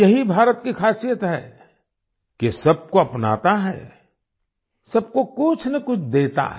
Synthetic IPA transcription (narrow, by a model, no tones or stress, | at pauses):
jɐɦibʱaːɾət̪kikʰaːsijət̪ɦɛ | kesɐb̚koɐpna̰ːt̪aɦɛ̰ː | sɐb̚kokʊt͡ʃʰnɐkʊt͡ʃʰd̪eːt̪a̰ɦ